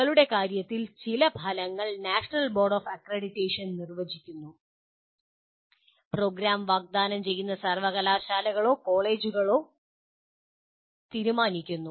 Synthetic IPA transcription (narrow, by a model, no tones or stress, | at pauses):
ɐɭuɽe̞kaːɾjɐt̪ːilt͡ɕilɐbʱɐlɐŋːɐɭnaːʂɐnɐlbo̞ːrɖoːfɐkreːɽitːeːʂɐnnirʋɐd͡ʑikʲːunːu | pro̞ːɡɾaːmʋaːɡ̚d̪aːnɐmt͡ɕe̞jːunːɐsɐrʋɐɣɐlaːɕaːlɐɣɐɭo̞ːko̞ːɭe̞ːd͡ʑuɣɐɭo̞ː | t̪iːɾumaːnikʲːunːu